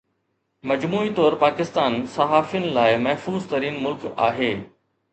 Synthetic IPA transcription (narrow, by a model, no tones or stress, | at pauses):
mɐd͡ʑmuːit̪ɔːɾpaːkɪst̪aːnsɐɦaːfijənɪ̆laːɪmɐɦfuːzt̪ɐɾiːnmʊlka̰ːɦeː